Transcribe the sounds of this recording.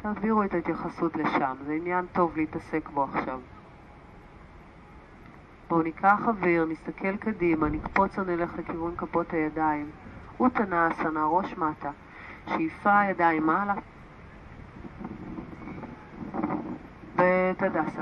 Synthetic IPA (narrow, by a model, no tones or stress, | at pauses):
taːviʁuetait̪jaχasutle̞ʃamzeinjanto̞vleitɐse̞kbo̞aχʃav | boonikʰaχaviʁnist̪akʰe̞lkadimanikpo̞t͡sonele̞χlekivunkapo̞thajadaim | utanasanaʁo̞ʃmata | ʃejfajadaimala | betadasa